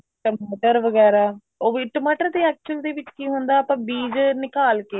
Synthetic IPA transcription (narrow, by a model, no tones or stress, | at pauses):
ʈəmaːʈəɾʋəɡɛːɾaː | oːʋiʈəmaːʈəɾt̪eːɛːk̚t͡ʃəld̪eːʋɪt͡ʃkiːɦʊnd̪aːpãːbiːd͡ʒnɪkaːlkeː